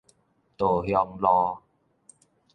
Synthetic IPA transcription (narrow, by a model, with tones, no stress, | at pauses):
t̪o˨˩hjɔ˧ŋlɔː˧